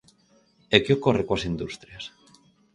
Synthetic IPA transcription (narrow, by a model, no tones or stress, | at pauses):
ekeokorekwasind̪ust̪ɾjas